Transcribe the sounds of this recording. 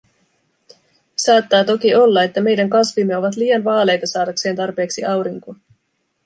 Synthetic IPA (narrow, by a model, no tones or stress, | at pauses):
sɑːt̪ːɑːt̪o̞k̟io̞lːɑe̞t̪ːæme̞jdæŋkɑsʋimːeo̞ʋɑt̪̬liːjɑnʋɑːle̞jt̪ɑsɑːdɑkse̞ːnt̪ɑrpe̞ːksiʔɑwɾiŋko